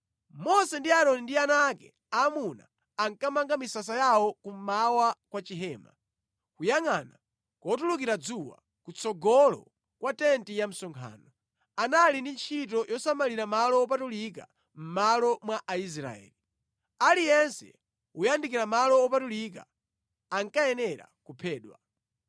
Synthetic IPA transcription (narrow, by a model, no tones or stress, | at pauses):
mɔsɛndiaɾɔnindianakɛ̰ | amuna̰ː | ŋkamaŋɡamisas̬ajaɔkum̩mawakwat͡ʃiɦɛːma̰ | kujaŋana | kɔtulukiɾad͡zuwa̰ | kut͡sɔɡɔlɔ̰ | kwatɛntijam̩sɔŋkʰa̰ːnɔ | analindint͡ʃʰit̬ɔjɔsamaliɾamalɔːp̬atulik̬a̰ | m̩malɔmwaʔais̬ɾa̰ɛ̰ːli | alijɛnsɛ̰ | ujandikiɾamalɔːpatulika̰ | aŋkajɛnɛɾa̰kupʰɛːɗwa̰